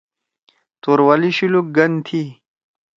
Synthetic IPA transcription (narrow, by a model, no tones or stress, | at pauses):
t̪uɾwaliɕiluk̚ɡɐnt̪ʰi